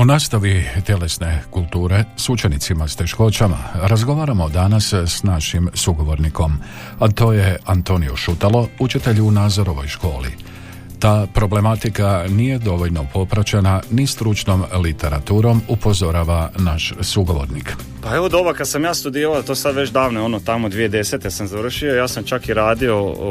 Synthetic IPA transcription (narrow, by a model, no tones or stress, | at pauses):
onaːst̪aʋit̪je̞le̞sne̞kult̪uːɾe̞sut͡ʃe̞nit̪simast̪e̞ʃko̞t͡ʃama̰ɾazɡo̞ʋaːɾamo̞d̪anassnaʃimsuɡo̞ʋo̞ɾniko̞m | at̪o̞ːje̞ant̪o̞nijoʃut̪alo̞ut͡ʃit̪e̞ʎuunaːzo̞ɾo̞ʋo̞̰jʃko̞ːlḭ | t̪aːpɾo̞ble̞mat̪ikanije̞d̪o̞ʋo̞ʎno̞po̞pɾat͡ɕenanist̪ɾut͡ʃno̞mlit̪e̞ɾat̪uːɾo̞mupo̞zo̞ɾaːʋanaʃsuɡo̞ʋo̞̰ɾnik | paeʋod̪obokad̪samjaːst̪ud̪iɾalat̪osad̪ʋe̞t͡ʃd̪aːʋneo̞not̪amod̪ʋijed̪e̞set̪esamzaʋr̩ʃio̞jaːsamt͡ʃakiɾaːd̪io̞